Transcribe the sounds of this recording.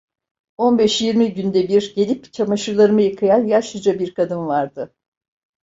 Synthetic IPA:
o̞nbɛʃjiɾmiɟynd̪ɛbiɾɟe̞lʲipt͡ʃʰamaʃɯlˠaɾɯmɯjakʰɯjanjaʃɯd͡ʒabiɾkʰad̪ɯnvaɾd̪ɯ

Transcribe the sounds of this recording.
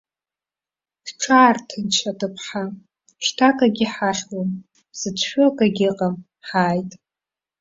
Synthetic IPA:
dʈ͡ʂʰaːrtʰɨnt͡ʃʷʰadɨpʰħa | ʃtʰakʼaɡʲiħaχwam | zɨt͡sʷʰʃʷᶣokʼaɡʲɪqʼam | ħaːjtʼ

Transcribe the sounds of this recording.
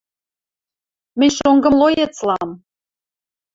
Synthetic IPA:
mɘ̆nʲʃoŋɡɤ̆mlˠojet͡slɑm

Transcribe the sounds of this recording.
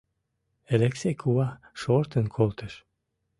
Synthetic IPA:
eleksekʰuɑ | ʃoɾt̪ənkʰolt̪ə̆ʃ

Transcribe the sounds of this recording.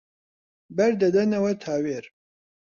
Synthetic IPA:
bɛɾd̪ɐd̪ɐnɐwɛt̪ʰaːweːɾ

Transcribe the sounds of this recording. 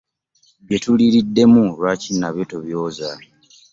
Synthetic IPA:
βje̞tuliɾidːe̞mulwaːcinːaβjotoβjo̞ːza

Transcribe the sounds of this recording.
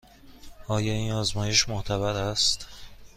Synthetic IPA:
ɒːjɒːiːnɒːzmɒːje̞ʃmoht̪ʰæβæɾæst̪

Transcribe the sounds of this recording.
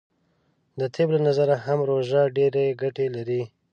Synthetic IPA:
d̪ət̪ʰeblanazaɾahamɾoʒaɖeɾeɡaʈelaɾi

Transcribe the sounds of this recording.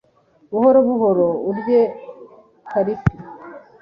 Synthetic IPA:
βuhoɾoβuɦoɾouɾje | kaɾisi

